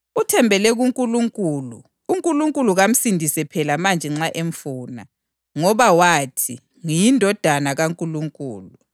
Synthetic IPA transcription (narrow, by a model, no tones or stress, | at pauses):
utʰɛmbʱɛlɛɣuŋkʼuluŋkʼuːluː | ŋkʼuluŋkʼuluɣam̩sindʱisɛpʰɛlamand͡ʒʱɛŋ͡ǁaʔeɱfuːna̰ | ŋɔβawatʰi | ŋijindʱɔd̥ʱanaɣaŋkʼuluŋkʼuːlu